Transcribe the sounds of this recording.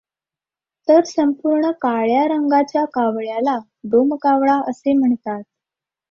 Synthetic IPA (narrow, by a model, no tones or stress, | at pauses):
t̪əɾsəmpuɾɳəkaɭjaɾəŋɡat͡ɕjakaʋɭjala | ɖomkaʋɭaəsem̤əɳt̪at̪̚